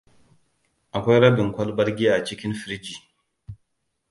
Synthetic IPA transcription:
ʔa˨kʷa˦jɾɐ˦bi˨ŋkʷɐ˦lbɐ˦ɾɡʲi˦a˨t͡ʃi˦kʲɪ˦nfi˨ɾi˦d͡ʒi˨

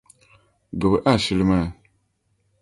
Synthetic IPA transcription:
ɡə˨bə˨ʔa˦˨ʃi˦li˦ma˦˨

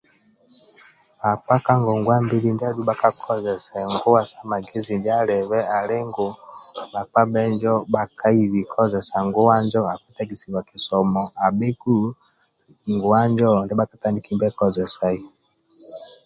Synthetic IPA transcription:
a˨pa˦ka˦ŋɡɔ˨ŋɡwa˦mbi˦li˦˨ndi˦a˦ɗu˦ɓa˦ka˦kʰɔ˦zɛ˨sa˨ŋɡu˦wa˨sa˦ma˨ɡɛ˦zi˨ndi˦a˦lɛ˨βɛ˦a˨lɛ˦ŋɡɔ˨ɓa˨pa˦ɓɛ˦nd͡ʒɔ˦ɓa˨ka˦i˦βi˨kʰɔ˦zɛ˨sa˨ŋɡu˦wa˦nd͡ʒɔ˦a˨ku˦ta˦ɡi˨si˨wa˨ki˨sɔ˨mɔ˨a˨ɓe˦ku˦ | ŋɡu˨a˦nd͡ʒɔ˦˨ndɛ˦ɓa˦ka˨ta˦ni˨ki˦mbɛ˦kɔ˦zɛ˨sa˦i˦

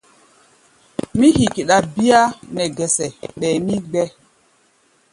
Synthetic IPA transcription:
mi˦hi˨ki˨ɗa˨bi˦ja˦nɛ˨ɡɛ˨sɛ˨ɓɛ˨mi˦ɡ͡bɛ˦

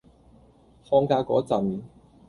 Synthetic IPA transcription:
fɔː˧ŋkaː˧kɔ̰ː˨˥t͡sɐ˨˩mi˨˩n

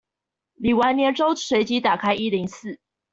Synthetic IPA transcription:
li˨˩wa˧˥njɛ˧˥ʈ͡ʂo˦ʊʂwe˧˥ɪt͡ɕi˧˦˥t̪a˨˩kʰa˥ɪi˥li˧˥ŋsɹ̩˥˨

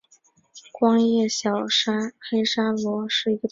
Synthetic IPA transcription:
kwɑ˥ŋjɛ˥˩ɕjɑ˨˩ʊʂa˥xe˥ɪʂa˥lwɔ˧˥ʂɻ̩˥˩i˧˥ɡə˧˩

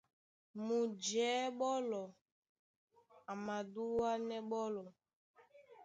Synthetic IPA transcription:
mu˨d͡ʒɛː˨˦ɓɔ˦lɔ˨ | a˨ma˨du˦wa˦nɛ˦ɓɔ˦lɔ˨

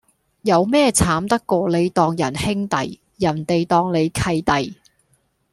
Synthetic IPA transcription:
jɐ˨˧wmɛː˥t͡sʰaː˨˥mt̪ɐ˥kːʷɔː˧le˨˧jt̪ɔː˧ŋjɐ˨˩nhɪ˥ŋt̪ɐ̰˨j | jɐ˨˩nt̪e˨jt̪ɔː˧ŋle˨˧jkʰɐ˧jt̪ɐ˨j

